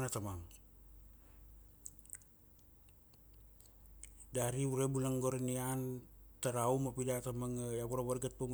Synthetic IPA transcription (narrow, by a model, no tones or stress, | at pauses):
nat̪amaŋ | daɾiuɾebulaŋɡoɾaniaːnt̪aɾaumapidat̪amaŋjapuɾawarɡat̪̚pam